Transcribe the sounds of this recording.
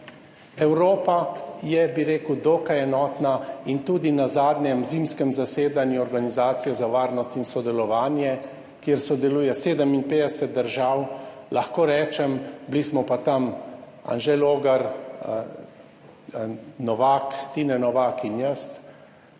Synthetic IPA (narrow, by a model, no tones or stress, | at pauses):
ɛwɾoːpajɛbiɾeːkud̪oːkajɛnɔːt̪naint̪uːd̪inazaːd̪njɛmziːmskɛmzaseːd̪anjuɔɾɡanizaːt̪sijɔzaʋaːɾnɔst̪insɔd̪ɛlɔʋaːnjɛ | kjeɾsɔd̪ɛluːjɛseːd̪əminpeːd̪ɛsɛt̪̚d̪əɾʒaːw | laxkoːɾɛːt͡ʃɛmblismɔpat̪am | a̰nʒɛloːɡaɾ | nɔʋaːkt̪inɛnɔʋaːkinjəst̪